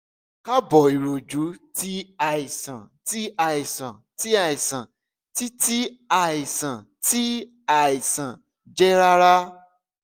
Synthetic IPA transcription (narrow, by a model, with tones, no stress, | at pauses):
ka˦bɔ˨i˨ɾo˨d͡ʒu˨˦ti˦a˧˨i˨sã˨ti˦a˧˨i˨sã˨ti˦a˦˨i˨sã˨ | ti˦ti˦a˧˨i˨sã˨ | ti˦ | a˦˨i˨sã˨ | d͡ʒɛ˦ɾa˦ɾa˦